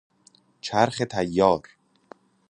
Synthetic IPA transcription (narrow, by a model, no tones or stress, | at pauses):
t͡ʃʰæɾxet̪ʰæjːɒːɾ